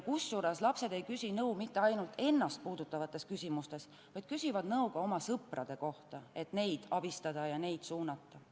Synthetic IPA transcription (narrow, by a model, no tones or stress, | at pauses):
kusːuɾeslɑpse̞d̪̥e̞jkysʲinɤumit̪ːe̞ɑjnult̪e̞nːɑst̪̚puːd̪ut̪ːˑɑvɑt̪ːˑe̞skysʲimust̪e̞s | vɑjd̪̥̚kysʲivɑd̪nɤwɡ̥ɑo̞mɑsɤprɑd̪̥e̞ko̞ht̪ɑe̞t̪ne̞jd̪̥ɑb̥ist̪ɑd̪̥ɑjɑne̞jd̪̥suːnɑt̪ːˑɑ